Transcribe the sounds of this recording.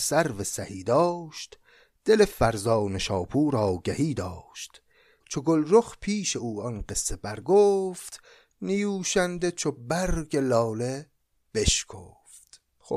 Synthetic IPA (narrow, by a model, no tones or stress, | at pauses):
sæɾvesæhiːd̪ɒːʃt̪ | d̪̥e̞lefæɾzɒːneʃɒːpʰuːɾɒːɡæhiːd̪ɒːʃt̪ | t͡ʃʰoɡolɾoxpʰiːʃe̞uːɒnɢe̞sːebæɾɡoːft̪ | nijuːʃænd̪et͡ʃʰobæɾɡe̞lɒːle | b̥eʃkʰo̰ːft̪ | o